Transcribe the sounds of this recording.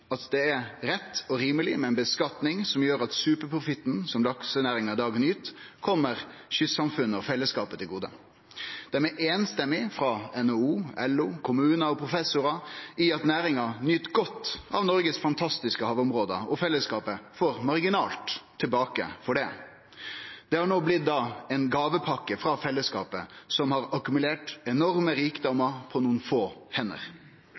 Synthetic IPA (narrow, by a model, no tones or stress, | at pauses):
ɑt̪d̪ɛæɾɾɛt̪ʰːɔɾiːməlɪ̰mɛɛnbəskɑt̪nɪŋsɔmjøːɾɑt̪sʉːpəɾpʰɾʊfɪt̪ːn̩sɔmlɑksənæːɾɪŋɑd̪ɑːɡnyːt̪kʰɔmːəɾɕʏsɑmfʉnːəɔfɛlːəskɑːpət̪ʰɪlɡuːd̪ə̰ | d̪̥æɾmɛʔeːnst̪ɛmːɪfɾɑɛnɔuːɛluːkʰʊmʉːnəɔpʰɾʊfɛsʊɾɑɪɑt̪næːɾɪŋɑnʏt̪ɡɔt̪ːʔɑ̰ʋnɔɾɡəsfɑnt̪ʰɑst̪ɪskəhɑːʋʊmɾoːd̪ə̰ɔfɛlːəskɑːpəfɔɾmɑɾɡɪnɑːlt̪ʰːɪlbɑːkə̰fɔɖɛ | d̪̥ɛhɑɳoːblɪt̪̚d̪ɑːɛnɡɑːʋəpʰɑkːəfɾɑfɛlːəskɑ̰ːpəsɔmhɑɾɑkʉmʉleːʈɛnɔɾməɾiːkd̪ɔmɑpʰɔnuːənfoːhɛnə̰ɾ